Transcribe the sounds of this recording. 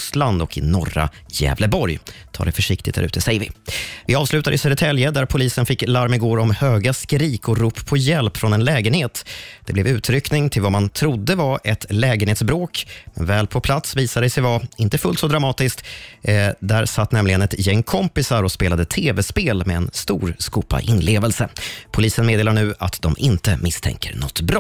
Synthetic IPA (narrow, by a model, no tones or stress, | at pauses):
sland̪ɔkɪ̰nɔra̰ | jɛ̰ːvləbɔɾjt̪ʰɑ̰ːɖ̪ɛfœʂɪkt̪ɪ̰t̪̚d̪æ̰ɾʉ̟ːt̪əsɛjəvɪvɪɑːvslʉ̟ːt̪ad̪əɪsɛɾɛt̪ʰɛljəd̪æɾpʰʊliːsənfɪkːlaɾmɪɡoːɾɔmhøːɡaskɾiːkɔɾuːpːʰɔjɛlpfɾɔnɛnlɛːɡənheːt̪d̪̥ɛblɛvʉ̟ːt̪ʰɾʏknɪŋt̪ʰɪlvamant̪ʰɾʊd̪ːəvaʔɛt̪lɛːɡənheːt̪sbɾoːkmɛ̰nvɛːlpʰɔpʰlat̪sviːsad̪əsɛjvaɪnt̪əfɵlt̪sɔd̪ɾamɑːt̪ɪskt̪ | d̪æɾsat̪ːnɛmlɪɡənɛt̪jɛŋːkʰɔmpɪsaɾɔspeːlad̪ət̪ʰeːvɛspeːlmɛɛnst̪ṵːɾskuːpa̰ʔɪnleːvəlsəpʰʊliːsənmeːd̪eːlaɳʉ̟ːa̰t̪d̪ɔmʔɪnt̪əmɪst̪ʰɛ̰ŋkʰə̰ɾnɔ̰t̪ːbɾɔ